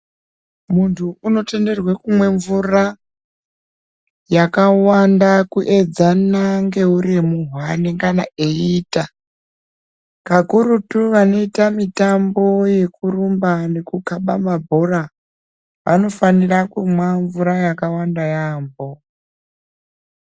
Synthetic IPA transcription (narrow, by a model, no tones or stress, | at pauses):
muntʰuuno̞te̞nde̞rwekumwe̞ɱvura | jakawandakuʔe̞d͡zanaŋɡe̞uɾimuɦwaniŋɡanaeita | kakuɾutuʋano̞itamitambo̞je̞kurumbane̞kukaɓamabʱo̞ra | ʋʔa̰no̞fanirakumwaɱvuɾajakawandajaːmbo̞